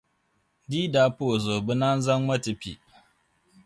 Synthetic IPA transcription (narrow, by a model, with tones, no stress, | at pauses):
diː˦da˨po˨zoː˨bɪ˦na˦nzɐ˦ŋmɐ˦tɪ˨ɸḭ˦˨